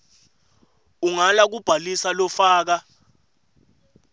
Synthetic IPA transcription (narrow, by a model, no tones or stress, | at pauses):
uŋalak̬ub̥ʱalisalɔfaːk̬a